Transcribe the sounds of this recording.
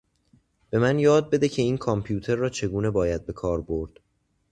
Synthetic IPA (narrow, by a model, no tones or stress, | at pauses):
b̥e̞mænjɒːd̪̚be̞d̪ecʰe̞iːnkʰɒmpʰjuːt̪ʰe̞ɾːɒːt͡ʃʰe̞ɡuːne̞bɒːjæd̪̚be̞kʰɒːɾbo̞ɾd̪̥